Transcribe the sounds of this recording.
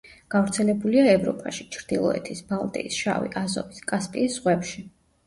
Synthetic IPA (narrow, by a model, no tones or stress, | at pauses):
ɡ̥avɾt̪sʰɛlɛbuliaɛvɾɔ̰pʼaʃi̥t͡ʃʰɾd̪̥ilˠɔ̰ɛ̰t̪ʰisbalˠt̪ʼḭisʃa̰vḭʔazɔ̰viskʼaspʼḭːsz̥ʁwɛpʃi